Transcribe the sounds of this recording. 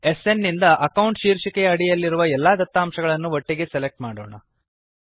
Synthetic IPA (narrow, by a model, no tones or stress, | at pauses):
e̞se̞nːind̪ɐʔɐkɐwuɳʈʃiːɾʂikɛjɐːɽijɐlːiɾuʋɐɛlːaːd̪ɐt̪ːaːmʃɐɡɐɭɐnːuʋoʈːiɡe̞sele̞k̚ʈmaːɽoːɳɐ̰